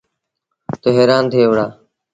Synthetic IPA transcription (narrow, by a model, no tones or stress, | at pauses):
t̪oːɦeːɾaːnt̪ʰeːʋɽaː